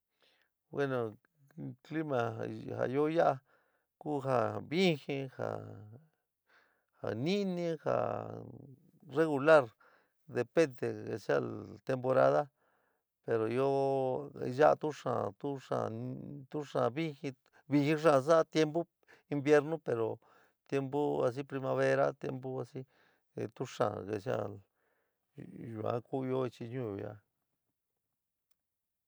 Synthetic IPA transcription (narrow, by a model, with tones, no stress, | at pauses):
bwe˦no˨ | kli˦ma˨ha̰˨jo˦ja˦ʔa˧ | ku˦xa˧βi˦xĩ˧xa̰˨ | ha˨nĩ˦nĩ˦xa̰˨ | re˦ɣu˧la˦ɾ | d̪e˨pe˦nd̪e˨ḛ˨sa˦˧lt̪e˧mpo˧ɾa̰˦ða˦ | pe˨ɾo˨jo˦˧ | ʒa˦˧t̪u˦ʂã̰˨t̪u˦ʂã̰˨t̪u˦ʂã̰˨βi˦hi˧ | βi˧hi˦ʂ̬ã˧s̬a˦˧t̪je˦mbu˦ | i˧mbje˦ɾnũ˦pe˨ɾo˨ | t̪je˦mbu˦a˧s̬i˦pɾi˧ma˧βe˦ɾa˦t̪je˦mbu˦a˧si˦˨ | t̪u˦ʂã̰˨ɣe˨s̬ja̰˦l | ʒu˨ã̰˦ku˦˧jo˦i˧t͡ʃi˧ɲũ˦o˨ja̰˧